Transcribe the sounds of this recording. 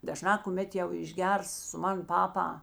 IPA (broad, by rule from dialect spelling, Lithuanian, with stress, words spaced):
dɐˈʒnɑː kʊˈmʲɛt jɛʊ ɪʒʲˈɡʲɛrs sʊ ˈmɐn ˈpɑːpɐ